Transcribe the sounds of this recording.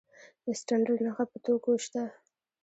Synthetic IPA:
ɪsʈaɳɖəlnaxapət̪okoʃt̪a

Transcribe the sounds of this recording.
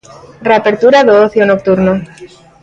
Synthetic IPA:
reapeɾt̪uɾaðooθjonok̚t̪uɾno

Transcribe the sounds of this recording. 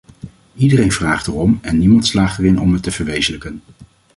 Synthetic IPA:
idərejnvraːχtərɔmɛnːimɑntslaːχtərɪnɔ̰mətəv̥əɹʋejzələkən

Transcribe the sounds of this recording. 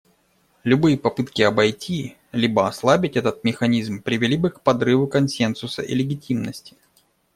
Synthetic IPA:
lʲʊbɨjəpɐpɨt̪kʲɪɐbɐjtʲʰi | lʲibəɐslˠabʲɪtʲɛt̪ət̪̚mʲɪxɐnʲizmpɾʲɪvʲɪlʲibɨkpɐd̪ɾɨvʊkɐnsʲe̞nsʊsə̰ʔɪ̰lʲɪɡʲɪtʲimnəsʲtʲɪ̥

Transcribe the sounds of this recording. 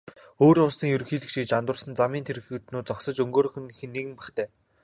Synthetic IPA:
oːɾʊɮsĭŋjɵɾ̆xiːɮɘ̆kʃiːt͡ɕant̪ʊːrsə̆nt͡samiːnt̪ʰeɾɘ̆xɘ̆t̪nuːt͡sɔksə̆t͡ɕɵŋɡoːɾɵ̆xɘ̆nxĕnːeɣɘ̆mpæχt̪ʰæː

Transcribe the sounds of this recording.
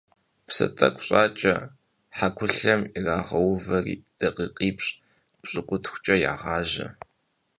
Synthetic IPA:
psɐ̰tʼɐ̰kʷʼɕʼaːt͡ʃʼɐ̰ | ħakʷʰʊɬɐmiraːʁɐwvɐrid̥ɐqʼiːqʼiːpɕʼ | pɕʼɨkʷʼʊtʰxʷt͡ʃʼɐja̰ːʁɑːʒɐ̰

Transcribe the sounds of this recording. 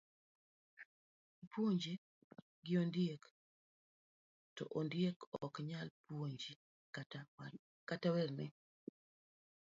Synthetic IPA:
ipʰwoɲd͡ʒe | ɡɪondijek | tɔ̰ʔondjekɔkɲalpwoɲd͡ʒi | katawɛrnɪ

